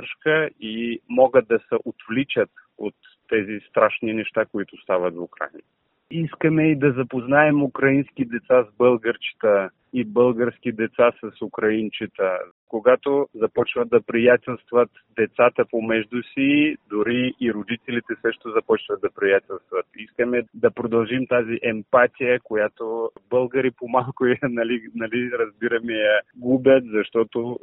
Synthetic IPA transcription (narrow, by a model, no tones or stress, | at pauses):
ɾʃkəimɔɡət̪̚d̪ɐsɛʔot̪vlit͡ʃət̪ot̪ːɛzist̪ɾaʃninɛʃt̪akoit̪ʊst̪avət̪vʊkɾa̰jn | iskəmɛid̪ɐzɐpoznaɛmukɾɐinskʲid̪ɛt̪sazbɤlˠɡəɾt͡ʃi̥t̪ə | ibəlˠɡəɾsk̟id̪ɛt̪sasɐsukɾɐint͡ʃit̪ə | koɡat̪ozɐpɔt͡ʃvɐt̪̚d̪ɐpɾijat̪ɛlˠst̪vɐt̪ | d̪ɛt̪sat̪əpomɛʒd̪usid̪ʊɾiːɾod̪it̪ɛlit̪ɛsəʃt̪ozɐpɔt͡ʃvɐt̪̚d̪ɐpɾijat̪ɛlˠst̪vɐt̪iskəmɛd̪ɐpɾod̪ɐlˠʒimt̪aziʔɛmpat̪ijəkojat̪obɤlˠɡəɾipomalˠkʊjɐnɐlinɐliɾɐzbiɾɐmɛjɐɡubʲjət̪zɐʃt̪ɔt̪o